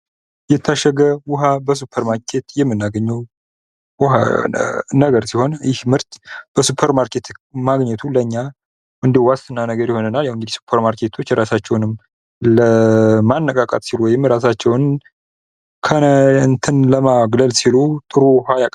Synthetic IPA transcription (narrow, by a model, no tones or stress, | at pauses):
jɛt̪ʰːaʃəɡəwʊɦabəs̬upʰːəɾmaɾkʰe̞t̪jɛmːɨnːaɡəɲːɛw | wʊɦa̰ | nəɡəɾsiho̞njɪhmɨɾt̪b̥əsupʰːəɾmaɾkʰe̞t̪maɡɲət̪ʰuləɲːa | ʔɨnd̪ihwast̪ʼɨnːanəɡəɾjɪho̞nənaljawɨŋɡɨd̪ihsu̥pʰːəɾmaɾkʰe̞t̪ʰo̞t͡ʃːɾasat͡ʃːɛwnɨm | ləmanːəkʼakʼa̰t̪ʼsiluwɔjɪmɾas̬at͡ʃːɛwn | kʰənt̪ʰɨnləmaɡləlsilut̪ʼɨɾuwhajakʼ